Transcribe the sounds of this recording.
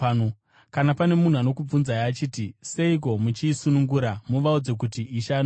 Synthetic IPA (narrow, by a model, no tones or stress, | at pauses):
kanapane̞mun̤uano̞kub͡vunzajaːt͡ʃiːtise̞ik̬o̞mut͡ʃiːsunuŋɡuɾamuʋaud͡ze̞k̬utiʔːʃan